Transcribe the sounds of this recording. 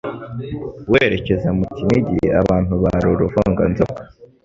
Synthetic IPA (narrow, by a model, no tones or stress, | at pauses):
weːɾe̞ce̞zamutimiɟiaβaːn̥huβaɾuɾuvaːŋɡa̰nzokḁ